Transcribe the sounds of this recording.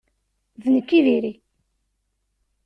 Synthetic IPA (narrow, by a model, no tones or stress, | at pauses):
ðnəkːiðiɾi